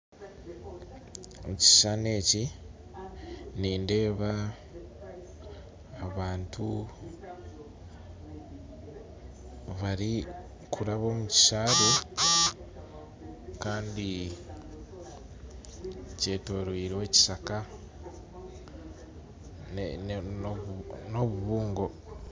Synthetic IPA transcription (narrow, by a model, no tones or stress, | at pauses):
omuci̥ʃane̞ːci | niːnde̞ːβa | βaːntu | βaɾi | kʰuɾaβo̞ːmuci̥ʃaːɾe | kaːndi | ce̞ːto̞ɾwiːɾwe̞ːci̥saka | no̞βuβuːŋɡo̞